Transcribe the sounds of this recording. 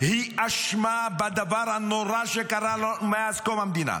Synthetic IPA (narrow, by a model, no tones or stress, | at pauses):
hiʔaʃmabad̪avaɾanoɾaʃekaɾalomaazkomamd̪ina̰